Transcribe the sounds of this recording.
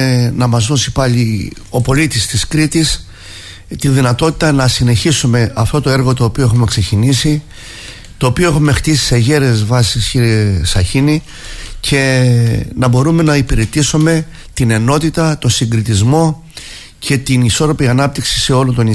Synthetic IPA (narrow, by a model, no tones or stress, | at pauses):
nɐmɐzðo̞sipɐʎi | o̞po̞lit̪ist̪iskɾit̪is | t̪inðinɐt̪o̞t̪it̪ɐnɐsine̞çisume̞ʔɐft̪o̞t̪o̞e̞ɾɣo̞t̪o̞ːpio̞exume̞ksecinisi | t̪o̞ːpioexume̞xt̪isi̥se̞ʝe̞ɾeezvɐsisisɐçini | cʰe̞ | nɐbo̞ɾume̞nɐipiɾe̞t̪isume̞ | t̪ine̞no̞t̪it̪ɐt̪o̞siŋɡɾit̪izmo̞ | cʰe̞t̪iniso̞ɾo̞piɐnɐp̚t̪iksi̥se̞o̞lont̪o̞ni